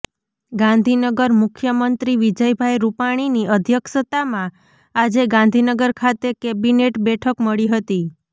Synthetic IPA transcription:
ɡãnd̪ʱinəɡəɾmʊkʰjəmənt̪ɾiʋid͡ʒəjbʱajɾupaɽ̃iniʔəd̪ʱjəkʃət̪amã | ad͡ʒeɡãnd̪ʱinəɡəɾkʰat̪ekebineʈbɛʈʰəkməɭiɦət̪i

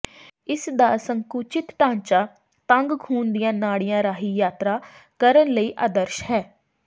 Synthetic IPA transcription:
ɪsd̪aːsəŋkuːt͡ʃɪt̪ʈãːɲt͡ʃaː | t̪ə̃ŋɡkʰuːnd̪ɪjãːnaːɽɪjãːɾaːɦiːjaːt̪ɾaː | kəɾənləiːʔaːd̪əɾʃhɛː

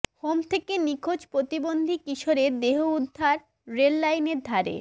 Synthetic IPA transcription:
homt̪ʰekenikʰod͡ʑpɾot̪ibond̪ʱikiʃoɾed̪eɦoud̪ʱːaɾ | ɾelːajneɾd̪ʱaɾḛ

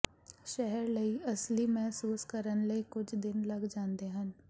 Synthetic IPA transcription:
ʃɛɦɛɾləiəslimɛɦsuːskəɾənləikʊt͡ʃʰd̪ɪnləɡd͡ʒãːnd̪eɦən

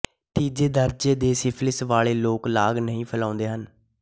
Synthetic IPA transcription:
t̪iːd͡ʒeːd̪əɾd͡ʒeːd̪eːsɪpʰlɪsʋaːɭeːloːklaːɡnəɦĩːpʰəlãːʊnd̪eːɦən

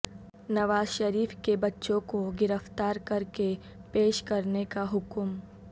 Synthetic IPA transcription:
nɐʋaːzʃɐɾiːfkebɐtːʃõkoɡɪɾəft̪aːɾkɐɾke | peːʃkɐɾnekaɦʊkm

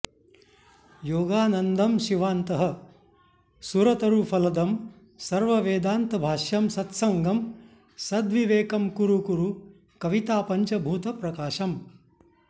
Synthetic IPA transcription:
joːɡaːnɐnd̪ʱɐmʃiʋaːnt̪ɐɦɐ | suɾɐt̪ɐɾuːpʰɐlɐd̪ɐm | sɐɾʋɐʋeːd̪aːnt̪ɐbʱaːʃjɐmsɐt̪sɐŋɡɐm | sɐd̪ʋiʋeːkɐmkuɾukuɾu | kɐʋit̪aːpɐɲt͡ʃɐbʱuːt̪ɐpɾɐkaːʃɐm

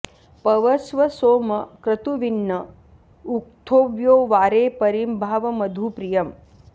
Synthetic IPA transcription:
pɐʋɐsʋɐsoːmɐkɾɐt̪uʋinːɐ | uk̚t̪ʰoːʋjoːʋaːɾeːpɐɾimbʱaːʋɐmɐd̪ʱupɾijɐm

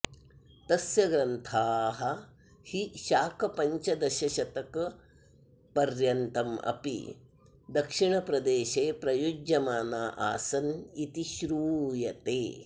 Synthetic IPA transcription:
t̪ɐsjɐɡɾɐnt̪ʰaːɦɐ | hiʃaːkʰɐpɐɲt͡ʃɐd̪ɐʃɐʃɐt̪ɐkɐ | pɐɾjɐnt̪ɐmɐ̰pḭ | d̪ɐkʂiɳɐpɾɐd̪eːʃeːpɾɐjud͡ʒɐmaːnaːʔa̰ːsɐnit̪iʃɾuːjɐt̪eː

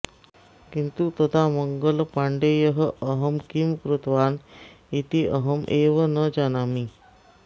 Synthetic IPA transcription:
kint̪ut̪ət̪ʰaməŋɡəlpaɳɖejəɦəəɦəmkimkɾut̪ʋaːn | it̪iʔəɦəmʔeːʋənəd͡ʒanami

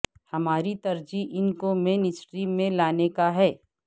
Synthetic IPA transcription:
hɐmaːɾit̪ɐɾd͡ʒiʔɪnkomẽːnɪsʈɾiːmːẽlaːnekaɦɛː

